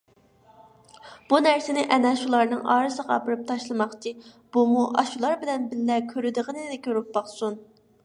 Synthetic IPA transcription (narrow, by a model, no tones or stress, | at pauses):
b̥unæɾsɪnɪʔɛnɛʃulˠɑɾnɨŋɑ̰ːɾɨsəʁɑɑ̰pɨɾɨp̚t̪ʰɑʃlˠɨmɑχt͡ʃʰi | b̥umuʔɑʃulˠɑɾbɪlɛnbɪlːɛkʲʰøɾyd̪əʁənɨd̪ɪkʲʰøɾyp̚bɑχsun